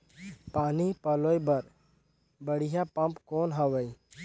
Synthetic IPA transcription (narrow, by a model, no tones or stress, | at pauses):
paːnipɐloːjbɐɾ | bəɽijapɐ̃mpkoːnɦɐʋəj